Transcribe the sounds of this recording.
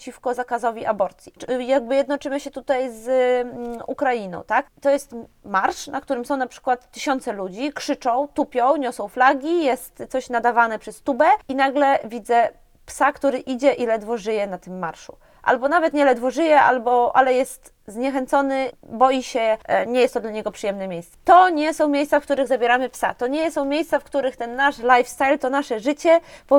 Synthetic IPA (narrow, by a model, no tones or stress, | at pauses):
t͡ɕifkɔzakazɔvʲiʔabɔɾt̪sʲjijaɡ̚bɘjɛd̪nɔt͡ʂɘmɔɕɛt̪ut̪ajz | ṵkɾainɔ̰̃w̃t̪akt̪ɔjɛst̪maɾʂnak̚t̪uɾɘmsɔ̃w̃napʂɘ̥kwat̪ːɘɕɔn̪t̪sɛlud͡ʑikʂɘt͡ʂɔ̃w̃t̪upʲjɔ̃w̃ɲɔsɔ̃w̃flaɡʲijɛst̪sɔɕnad̪avanɛpʂɛst̪ubɛinaɡlɛvʲid̪zɛ | psakt̪uɾɘʔid͡ʑɛʔilɛd̪vɔʐɘjɛnat̪ɘmːaɾʂu̥̰ | ʔa̰lbɔnavɛt̪ɲɛlɛd̪vɔʐɘjɛʔa̰lbɔʔa̰lɛjɛst̪ | zɲɛxɛnt̪sɔnɘbɔjiɕɛɲɛjɛst̪ːɔd̪laɲɛɡɔpʂɨjɛmnɛmʲejst̪t̪ɔɲɛsɔ̃w̃mʲjejssafk̚t̪uɾɘɣzabʲjeɾamɘpsa̰t̪ɔɲɛsɔ̃w̃mʲjejst̪safkt̪uɾɘxt̪ɛnːaʂlajfst̪ajlt̪ɔnaʂɛʐɘt͡ɕɛbɔ